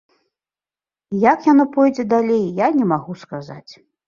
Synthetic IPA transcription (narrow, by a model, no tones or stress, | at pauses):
jakjanɔpɔjd͡zʲɛd̪alʲejjanʲɛmaɣuskaza̰t͡sʲ